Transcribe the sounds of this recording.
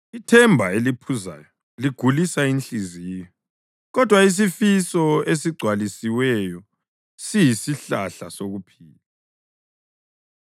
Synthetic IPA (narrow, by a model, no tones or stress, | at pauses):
itʰɛmbʱaelipʰuza̰ːjɔ | liɡ̥ʱulisaint͡ɬizijɔ | ɣɔd̥ʱwais̬ifisɔes̬iɡ͡ǀʱwalisiwɛjɔ | sijisiɬaɬa̰soɣupʰiːla